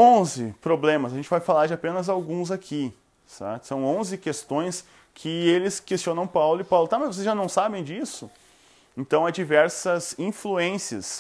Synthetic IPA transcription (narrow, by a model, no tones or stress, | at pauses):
õzɪpɾoblẽmɐzɐʒẽnt͡ʃɪvajfalaɾd͡ʒɪapẽnɐzawɡũzakʰi | sɛ̰ɾsɐ̃w̃õzɪkest̪õj̃s | kʰɪelɪskest͡ʃiõnɐ̃w̃pawlʊɪpawlʊt̪amɐzvosezʒanɐ̃w̃sabẽj̃d͡ʒisʊ | ẽnt̪ɐ̃w̃ad͡ʒivɛɾsɐzĩfluẽsiɐ̰s